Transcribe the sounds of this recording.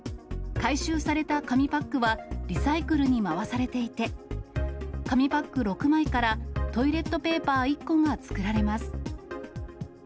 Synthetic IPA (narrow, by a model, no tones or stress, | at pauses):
kaiɕɨːsaɾe̞t̪akamʲipakːɯ̟βaɾʲisaikɯ̟ɾɯ̟ɲ̟imaβasaɾe̞t̪e̞it̪e̞ | kamʲipakːɯ̟ɾo̞kɯ̟maikaɾat̪o̞iɾe̞t̪ːo̞pe̞ːpaːikːo̞ŋat͡sɨ̥kɯ̟ɾaɾe̞masɨ̥